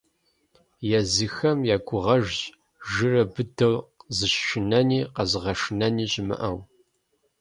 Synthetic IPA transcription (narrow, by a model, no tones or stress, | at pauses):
jɛzɨxɐmjaːɡʷʊʁɐʒʑ | ʒɨrɐbɨdɐwzɨɕʃɪnɐniːqɐzʁɐʂɨnɐniːɕʼɪmɨ̰ʔɐw